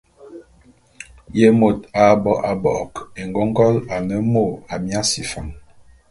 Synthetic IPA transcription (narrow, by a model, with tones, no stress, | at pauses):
je˦mo˨ta˨bɔ˨ʔa˨bɔ̰˨ke˨ŋɡɔ˦ŋ˦ɡɔ˦la˨nə˦mo˦˨a˨mja˦si˨fa̰˨ŋ